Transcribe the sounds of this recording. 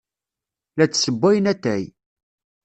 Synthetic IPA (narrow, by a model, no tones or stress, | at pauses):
læt͡sːsəbʷːæjnæt̪ːæj